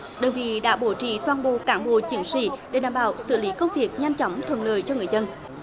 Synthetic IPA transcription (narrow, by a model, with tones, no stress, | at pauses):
ɗəː˨˩nvḭ˧˨ɗa̰ː˧˥ɓo˧˩t͡ɕḭ˧˨t̪waː˧˩nɓo̰˧˨kaː˧˩nɓo̰˧˨t͡ɕi˨˦əŋsḭ˧˥˨ɗe˧˩ɗaː˧˨˩mɓa̰ː˧˨˩wsɨ̰˧˨li˨˦kə˧wŋ͡mvi˨˩ək̚ɲa˧jmt͡ɕɔ˨˦wŋ͡mt̪ʰə˧˨nləː˧˨˩jt͡ɕɔ˧ŋɨ˨˩əjzə˧n